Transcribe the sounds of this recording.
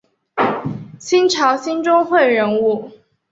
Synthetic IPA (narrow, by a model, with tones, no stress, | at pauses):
ɕi˥nʈ͡ʂʰɑ˧˥ʊɕi˥nʈ͡ʂʊ˥ŋxwe˥˩ɪɻə˧˥nu˥˩